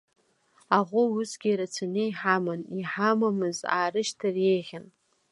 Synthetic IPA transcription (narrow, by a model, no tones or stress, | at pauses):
aʁʷʊusɡʲiɾat͡sʰanejħamaniħamamɨza̰ːrɨʃtʰarejʁʲan